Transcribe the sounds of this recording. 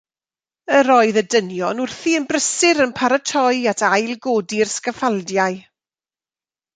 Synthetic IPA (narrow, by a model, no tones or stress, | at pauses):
əɾɔɨðədənjɔnʊrθiənbrəsɪɾənpʰaɾətʰɔjatʰajlˠɡoːdirskəfalˠdjaɨ